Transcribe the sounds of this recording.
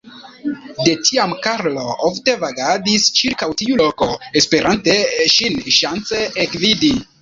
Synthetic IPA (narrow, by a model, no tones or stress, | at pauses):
de̞tʰiamkaɾlo̞ofte̞vaɡadist͡ʃiɾkawtiulo̞ko̞espe̞ɾʔante̞ʃinʃant͡se̞ekvidi